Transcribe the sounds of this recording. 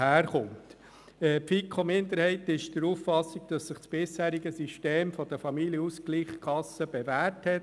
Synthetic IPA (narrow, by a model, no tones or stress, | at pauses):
hæːɾχʊnt | ɛpfikʰɔmɪnd̪əɾhɛɪtɪʃd̥əɾuːffɑsiɡ̚d̥ɑsːɪχsb̥ɪshæːɾiɡəsiʃteːmfɔd̥̪əfɑmiljəuskliːχkʰɑsəb̥evæːɾthɛt